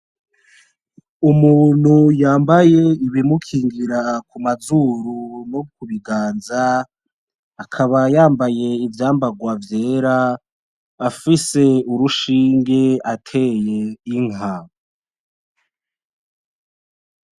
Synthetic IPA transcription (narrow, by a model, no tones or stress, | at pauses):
umuːn̥hujaːmbaje̞iβimukʰiːŋɡiɾakumazuɾunokuβiɡaːnza | kʰaβajaːmbaje̞ivjaːmbaɡwavje̞ːɾaː | fise̞uɾuʃiːŋɡeatʰe̞je̞iŋa